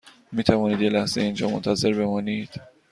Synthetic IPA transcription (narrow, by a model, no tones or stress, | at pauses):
miːt̪ʰævɒːniːd̪je̞læhz̥ḛind͡ʒɒːmont̪ʰæze̞ɾbe̞mɒːniːd̪̥